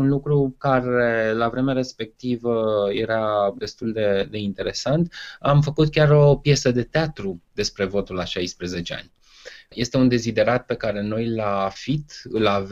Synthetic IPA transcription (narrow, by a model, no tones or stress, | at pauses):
unlukɾukaɾe̞lavɾe̞meaɾe̞spe̞k̚t̪ivəje̞ɾad̪e̞st̪uld̪e̞d̪e̞int̪e̞ɾe̞sant̪amfəkut̪kʲaɾo̞pje̞səd̪e̞t̪eat̪ɾud̪̥e̞spɾe̞vo̞t̪ulaʃajspɾe̞ze̞t͡ʃe̞a̰nʲ | je̞st̪e̞und̪e̞zid̪e̞ɾat̪̚pe̞kaɾe̞no̞jlaːfit̪ɨla